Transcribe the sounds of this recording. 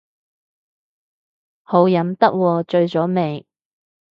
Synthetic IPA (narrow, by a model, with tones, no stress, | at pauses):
ho˨˥wjɐ˨˥mt̪ɐ˥k̚wɔː˧t͡ʃɵ˧ɥt͡sɔː˨˥me˨˩j